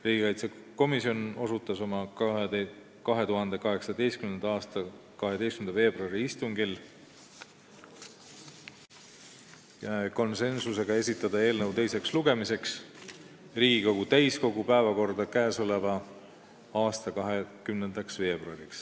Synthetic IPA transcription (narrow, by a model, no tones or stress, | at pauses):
riːɡikɑjt̪se | ko̞misio̞no̞sut̪ːˑɑso̞mɑ | kɑɦe̞t̪uɦɑnd̪̥e̞kɑɦe̞ksɑd̪e̞jst̪kymnend̪̥ɑɑːst̪ɑkɑɦe̞d̪e̞jstkymend̪ɑve̞ːbruɑɾiist̪uŋɡil | jɑko̞nse̞nsuse̞ɡ̥ɑe̞sit̪ːˑɑd̪̥ɑe̞ːlnəwt̪e̞jse̞ksluɡe̞mise̞ks | riːɡ̥iko̞ɡut̪æjsko̞ɡupæevɑko̞rd̪̥ɑkæesolevɑ | ɑːst̪ɑkɑɦekymnend̪̥ɑksve̞ːb̥ruɑɾiks